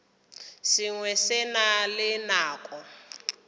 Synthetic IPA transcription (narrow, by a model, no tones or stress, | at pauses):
siŋwɛsɛnalɪnaːkʼɔ